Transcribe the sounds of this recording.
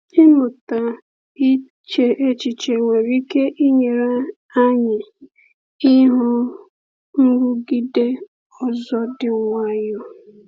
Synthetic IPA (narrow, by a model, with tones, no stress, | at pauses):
ɪ˦mʊ˨ta˨ | i˦ | t͡ʃe˨˦ʔe˦t͡ʃi˨t͡ʃe˨ŋʷe˨ɾi˦ke˦ʔi˦ɲe˨ɾa˦ | a˦ɲɪ˨ | ɪ˦ɦʊ˦ | ŋ̩˦ɾu˦ɡi˦de˦ | ɔ˨zɔ˦dɪ˨ŋʷa˦jɔ˦